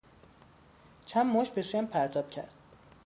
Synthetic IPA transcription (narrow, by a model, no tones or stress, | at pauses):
t͡ʃʰæmmoʃ̚be̞suːjæmpʰæɾt̪ʰɒːb̥cʰæ̰ɾd̪̥̚